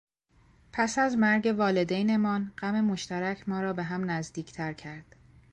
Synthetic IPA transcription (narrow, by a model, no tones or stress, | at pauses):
pʰæsæzmæɾɟe̞vɒːle̞d̪ejne̞mɒːnɢæme̞mo̞ʃt̪æɾæcʰmɒːɾɒːbe̞ɦæmnæzd̪iːcʰt̪ʰæɾcʰæɾd̪̥